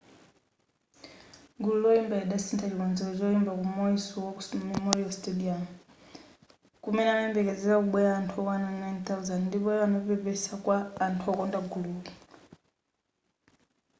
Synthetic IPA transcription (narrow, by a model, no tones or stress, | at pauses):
ɡululɔimbaɛɗasɛntʰat͡ʃikɔnzɛlɔt͡ʃɔimbakumɔisiwɔumimɔiɔstɛdiam | kumɛnanaɛmbɛkɛzɛɾakuɓwɛaːntʰuɔwanannajnt̪awuzandndipɔɛβanɔpɛpɛsakwaːntʰuɔkɔndaɡuluki